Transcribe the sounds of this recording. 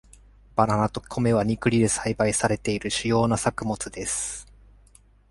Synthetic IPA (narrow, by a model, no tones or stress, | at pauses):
b̥ananat̪o̞kʲʰo̞me̞β̞aɲ̟ikɯ̟ɾʲid̪e̞saibaisaɾe̞t̪e̞iɾɯ̟ɕɨjo̞ːnasakɯ̟mo̞t͡sɨd̪e̞sɨ̥